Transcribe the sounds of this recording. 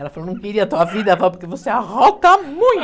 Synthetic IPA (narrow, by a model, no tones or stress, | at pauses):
ɛlɐfɐlonɐ̃w̃kɐiɾiat̪uaviðɐfalp̬uɾkevoseɐʁɔkɐmũj̃t̪